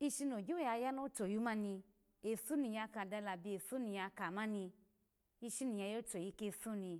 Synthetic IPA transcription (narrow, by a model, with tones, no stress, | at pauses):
i˧ʃi˧no˨d͡ʒu˦a˧ja˦no˦to˨ju˨˦mã˦nĩ˧ | e˨su˦nĩ˨ja˧ka˧˨da˧˦la˨bi˧e˨su˦nĩ˨ja˧ka˨mã˦nĩ˧ | i˧ʃi˧nĩ˨ja˧jo˦to˨ji˨˦ke˧su˦nĩ˧